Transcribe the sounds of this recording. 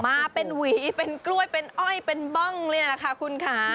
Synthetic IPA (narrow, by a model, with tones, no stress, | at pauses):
maː˧pe˧nwiː˩˦pe˧nklu˥˩əjpe˧nʔɔ˥˩jpe˧nbɔ˧˥˩ŋlːla˧kʰa˦˥˩kʰu˧nkʰaː˩˦